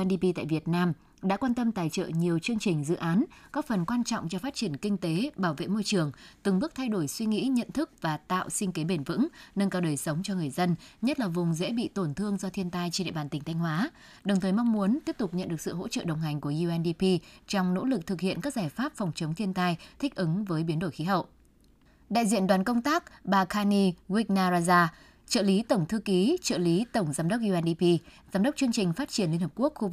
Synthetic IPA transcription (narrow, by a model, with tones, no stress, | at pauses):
ɛ˧nɗi˧pi˧t̪a̰ː˧˨vi˨˩ət̚naː˧m | ɗa̰ː˧˥kwaː˧nt̪ə˧mt̪aː˨˩jt͡ɕə̰ː˧˨ɲi˨˩əwt͡ɕɨ˧əŋt͡ɕï˨˩ŋ̟zɨ̰˧˨ʔaː˨˦nkɔ˨˦˥k̚fə˨˩nkwaː˧nt͡ɕɔ̰˧˨wŋ͡mt͡ɕɔ˧faː˦˥t̚t͡ɕi˧˩ənkï˧ŋ̟t̪e˨˦ɓaː˧˩wvḛ˧˨mo˧jt͡ɕɨ˨˩əŋt̪ɨ˨˩ŋɓɨ˦˥k̚t̪ʰa˧jɗo˧˩jswi˧ŋḭ˧˥ɲə̰˧˨nt̪ʰɨ˦˥k̚vaː˨˩t̪a̰ː˧˨wʔsï˧ŋ̟ke˨˦ɓe˧˩nvɨ̰˧˥ŋnəː˧nkaː˨˧˩ɗəː˨˩jsə˨˦wŋ͡mt͡ɕɔ˧ŋɨ˨˩əjzə˧nɲə˦˥t̚laː˨˩vʊ˨˩ŋ͡mzḛ˧˥ɓḭ˧˨t̪o˧˩nt̪ʰɨ˧əŋzɔ˧t̪ʰi˧ənt̪aː˧jt͡ɕe˧nɗḛ˧˨ɓaː˨˩nt̪ï˨˩t̪ʰa˧jŋ̟hwaː˨˦ | ɗə˨˩wt̪ʰəː˨˩jmɔ˧wŋ͡mmu˨˦ənt̪i˦˥əp̚t̪k͡p̚ɲə̰˧nɗɨ˨˩ək̚sɨ̰˧˨ɦo̰˧˥t͡ɕə̰˧˨ɗə˨˩wŋ͡mɦa˨˩jŋ̟ku˧˩əʔu˧ʔɛ˧nɗi˧pi˧t͡ɕɔ˧wŋ͡mno̰˧˥lɨ˨˩k̚t̪ʰɨ˨˩k̚hḭ˧˨ənkaː˦˥k̚zaː˧˩jfaː˦˥p̚fwŋ͡mt͡ɕə˨˦ŋ͡mt̪ʰi˧ənt̪aː˧jt̪ʰï˦˥k̚ʔɨ˨˦ŋvəː˨˦jɓi˨˦ənɗo˧˩jxi˨˦ɦə̰˧˨wʔ | ɗa̰ː˧˨jzḭ˧˨ənɗwaː˨˦nkə˧wŋ͡mt̪aː˦˥k̚ɓaː˧˩kʰaː˧ni˧ɣwi˦˥k̚naː˧zaː˧zaː˧ | t͡ɕə̰ː˧˨li˨˦t̪ə˧˩wŋ͡mt̪ʰɨ˧ki˨˦t͡ɕə̰ː˧˨li˨˦t̪ə˧˩wŋ͡mzaː˨˦mɗə˦˥wk͡p̚ʔu˧ʔɛ˧nɗi˧pi˧zaː˨˦mɗə˦˥k͡p̚t͡ɕɨ˧əŋt͡ɕï˨˩ŋ̟faː˦˥t̚t͡ɕi˧˩ənli˧ənhə˨˩ku˦˥ək̚xu˧v